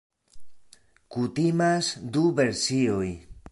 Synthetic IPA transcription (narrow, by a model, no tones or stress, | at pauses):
kutimasduve̞ɾsio̞j